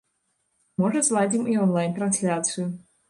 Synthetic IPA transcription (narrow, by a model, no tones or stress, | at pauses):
mɔʐɐzlˠad͡zʲimiɔnlˠajnt̪ɾɐnsʲlʲat̪sɨju